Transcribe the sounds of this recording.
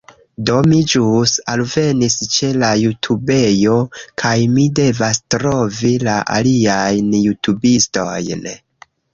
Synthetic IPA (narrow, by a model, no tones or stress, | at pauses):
do̞mid͡ʒusalve̞nist͡ʃe̞lajutʰube̞jo̞kʰajmide̞vastɾo̞vilaʔa̰liajnjutʰubisto̰jn